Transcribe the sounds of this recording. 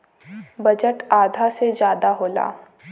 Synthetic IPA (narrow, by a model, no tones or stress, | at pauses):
bɐd͡ʒəʈaːd̪ʱased͡ʒjaːd̪aɦoːla̰ː